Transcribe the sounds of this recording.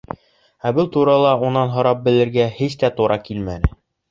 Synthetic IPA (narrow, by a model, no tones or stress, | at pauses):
æbɤlˠt̪uɾɑlˠɑunɑnɦŏɾɑp̚bɘ̆lɘ̆ɾɡæhiɕt̪æt̪uɾʔɑkilmænɘ